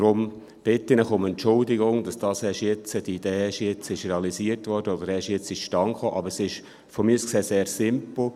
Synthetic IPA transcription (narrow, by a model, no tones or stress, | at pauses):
ɾʊm | b̥ɪtːɪnəχʊmɛntt͡ʃʊldɪɡʊŋd̥ɑsd̥ɑːshɛʃjɪt͡səd̥iid̥eːɛʃjɪt͡sɪʃreɑlisiːərtʋɔːrd̥əɔd̪əɾɛʃjɪt͡sɪʃʃtɑŋχoːʔɑbəɾsɪʃ | fɔmiuskseːseːɾsɪmpl̩